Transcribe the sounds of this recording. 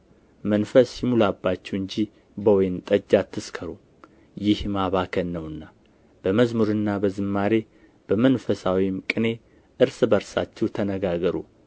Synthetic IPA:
mənfəsjɪmulabːat͡ʃːɛwɨɲd͡ʒi | bəwɔjnt̪ʼəd͡ʒːat̪ʰːɨskʰəɾu | jɪhmaβakʰənːəwɨnːa | b̥əməzmuɾɨnːabəzɨmːaɾe̞ | b̥əmənfəsawimkʼɨne̞ | ʔɨɾsɨbəɾsa̰t͡ʃːɛwt̪ʰənəɡaɡəɾu

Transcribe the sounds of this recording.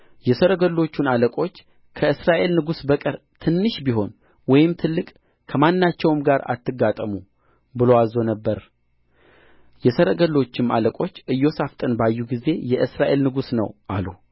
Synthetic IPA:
jɛsəɾəɡəlːo̞t͡ʃːunaləkʼo̞t͡ʃː | kʰəɨsɾaʔe̞lnɨɡusbəkʼəɾ | t̪ʰɨnːɨʃbiɦo̞n | wɔjɪmt̪ʰɨlːɨkʼ | kʰəmanːat͡ʃːɛwmɡaɾa̰t̪ʰːɨɡːat̪ʼəmu | bɨlowazo̞nəbːəɾ | jɛsəɾəɡəlːo̞t͡ʃːɪma̰ləkʼo̞t͡ʃːʔɨjːo̞saft̪ʼɨnbajːuɡize̞jɛʔɨsɾaʔe̞lnɨɡusnə̰wʔalu

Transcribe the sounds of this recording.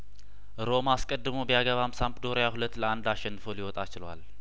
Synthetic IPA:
ɾo̞maskʼəd̪ːɨmobəjaɡəβamsampd̪o̞ɾəjahulət̪ːləand̪aʃɛnːɨfolɪwɔt̪ʼat͡ʃɪlwa̰l

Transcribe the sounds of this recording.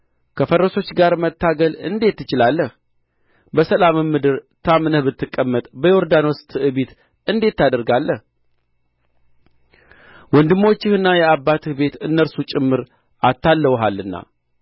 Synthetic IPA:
kʰəfəɾːəso̞t͡ʃːɡaɾmət̪ːaɡəlɨ̰nd̪e̞t̪ːɨt͡ʃɪlalːəh | bəsəlamɨmːɨd̪ɨɾt̪ʰamnəhbɨt̪ːɨkʼːəmːət̪ʼbəjɛoɾd̪ano̞st̪ʰɨʔɨβit̪ | ɨnd̪e̞t̪ːad̪əɾɡalːəh | wɔnd̪ɨmːo̞t͡ʃːɪhɨnːajɛabːat̪ʰɨhbe̞t̪ɨnːəɾsut͡ʃʼɪmːɨɾ | at̪ːalːəwɦalːɨnːa̰

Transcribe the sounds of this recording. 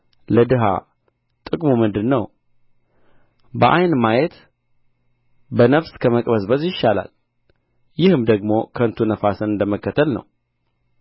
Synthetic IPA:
ləd̪ɨɦa̰ | t̪ʼɨkʼmumɨnd̪ɨnːəw | bəʔajnmajet̪ | bənəfskʰəməkʼbəsbəzjɪʃːala̰l | jɪhɨmd̪əɡmo̞kʰənt̪ʰunəfasɨnɨnd̪əməkːət̪ʰːəlnə̰w

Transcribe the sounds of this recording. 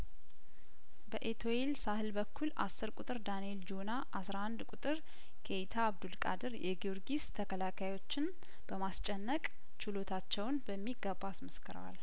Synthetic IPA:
bəʔet̪ʰo̞elsahɨlbəkʰːulʔa̰sːɨɾkʷʼut̪ʼɨɾd̪anield͡ʒo̞naʔasɾahand̪kʼut̪ʼɨɾ | kʰejt̪ʰaːβd̪ulkʼa̰d̪ɨɾjʔɛ̰ɡioɾɡist̪ʰəkʰəlakʰajwo̞t͡ʃːɪn | b̥əmast͡ʃʼːɛnːəkʼ | t͡ʃʰɪlo̞t̪ʰat͡ʃːɛwnbəmːiɡəbːaasməskʰɨɾə̰wa̰l

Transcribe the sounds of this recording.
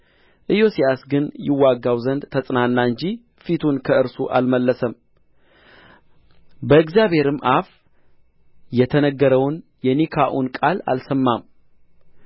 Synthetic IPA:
ʔɨjo̞sijasɡɨnjɪwːaɡːawzənd̪t̪ʰəsʼnanːaɨɲd͡ʒi | fit̪ʰunkʰəɨɾsuʔa̰lməlːəsəm | bəɨɡzjaβhe̞ɾɨmʔaf | jɛt̪ʰənəɡːəɾəwnjɛnikʰaʔunkʼala̰lsəmːam

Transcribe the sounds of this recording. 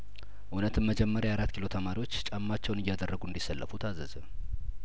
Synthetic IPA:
ʔunət̪ʰɨmməd͡ʒɛmːəɾjajaɾat̪ːkʰilo̞t̪ʰəmaɾiwo̞t͡ʃːt͡ʃʼamːat͡ʃːɛwnɨjːad̪ərːəɡuɨnd̪isːəlːʔə̰fut̪ʰazəzə

